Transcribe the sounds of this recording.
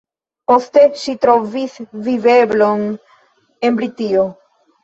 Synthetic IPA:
po̞ste̞ʃitɾo̞visvive̞blo̞n | e̞nbɾitio̞

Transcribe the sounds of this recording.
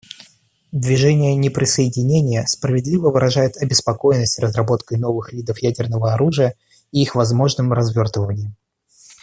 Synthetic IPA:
d̪vʲɪʐɛnʲɪjənʲɪpɾʲɪsəɪdʲɪnʲenʲɪjəspɾəvʲɪd̪lʲivəvɨɾʔɐʐajʊt̪ɐbʲɪspɐko̞jɪnːəsʲtʲrəzrɐbo̞t̪kəjno̞vɨxvʲid̪əfjædʲɪrnəvəɐɾuʐɨjə | iixvɐzmo̞ʐnɨmrɐzvʲo̞rt̪vəvənʲɪjɪ

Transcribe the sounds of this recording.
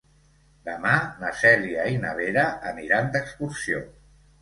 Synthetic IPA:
d̪əmanəsɛliainəβ̞eɾəʔəniɾand̪əkskuɾsio̰

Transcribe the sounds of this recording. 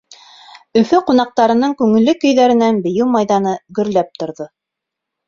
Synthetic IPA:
ɵ̆fɵqunɑq̚t̪ɑɾɤ̆nɤɴkʉŋɘ̆lːɵkɵ̆jðæɾɘ̆nænbɘ̆jɘwmɑjðɑnɤɡɵ̆ɾlæp̚t̪ŏɾðo

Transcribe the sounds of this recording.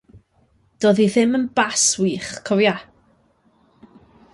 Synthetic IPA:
d̥oːðiðɪmənbaswiːχkʰɔwja

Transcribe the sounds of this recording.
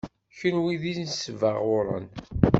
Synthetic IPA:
çənwiðisnsəvəʁʊɾˤə̰n

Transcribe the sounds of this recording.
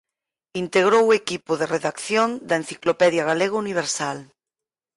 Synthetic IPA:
int̪eɣɾowekipʊðereðakθjond̪ɐen̟θiklopɛðjaɣaleɣouniβ̞eɾsal

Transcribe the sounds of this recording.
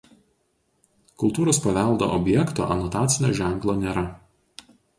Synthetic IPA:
kʊlˠt̪uːɾoːspɐʋʲɛˑlˠd̪o̰ːʔɔbʲjɛkt̪o̰ːʔɐnɔt̪ɑːt̪sʲɪnʲo̰ːʒʲæŋklˠoːnʲeːɾɐ

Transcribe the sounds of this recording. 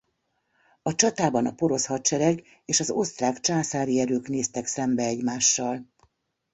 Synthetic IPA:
ɒt͡ʃɒt̪aːbɒnɒ̰po̞ɾo̞shɒtt͡ʃɛɾɛɡ | eːʃɒzo̞st̪raːkt͡ʃaːsaːɾiɛɾøːkneːst̪ɛksɛmbɛɛɟmaːʃːɒl

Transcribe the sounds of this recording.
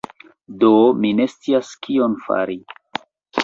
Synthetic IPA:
domine̞st͡siaskionfa̰ɾi

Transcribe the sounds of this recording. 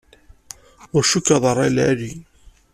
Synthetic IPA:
ʊɾʃukːɑðˤəɾˤːælæli

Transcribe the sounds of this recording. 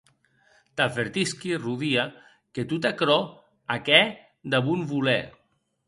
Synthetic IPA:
t̪afeɾt̪iskiruðia | ket̪ut̪akɾɔ | akɛ | d̪aβunβulɛ̰

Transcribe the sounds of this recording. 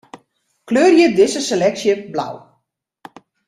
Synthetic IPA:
kløːrjədɪsəselɛksjəbla̰w

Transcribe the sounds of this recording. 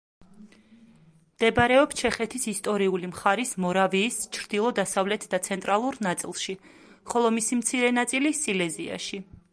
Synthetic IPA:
md̪̥ɛbɾɛɔpst͡ʃʰɛχɛt̪ʰisist̪ʼɔɾiulimχaɾismɔɾaviːst͡ʃʰɾd̪̥ilˠɔd̪asavlɛt̪ʰd̪at̪sʰɛnt̪ʼɾalˠuɾnat̪sʼḭlˠʃi | χɔlˠɔmisimt̪sʰiɾɛnat̪sʼilisilɛzia̰ʃi

